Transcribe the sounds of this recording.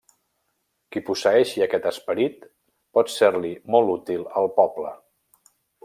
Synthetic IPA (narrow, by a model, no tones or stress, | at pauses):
kipusəɛʃiəkɛt̪əspəɾit̪ | pɔt̪seɾlimɔlˠut̪ilˠəlˠpɔblə